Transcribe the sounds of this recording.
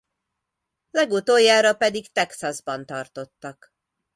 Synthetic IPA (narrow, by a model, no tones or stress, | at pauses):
lɛɡut̪oːjːaːɾɒpɛd̪ikt̪ɛksɒzbɒnt̪ɒrt̪o̞t̪ːɒk